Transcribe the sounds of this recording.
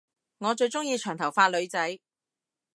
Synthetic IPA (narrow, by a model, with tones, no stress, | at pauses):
ŋɔː˨˧t͡ʃɵ˧ɥt͡sʊ˥ŋjiː˧t͡ʃʰœː˨˩ŋt̪ʰɐ˨˩wfaː˧t̚lɵ˨˧ɥt͡sɐ˨˥j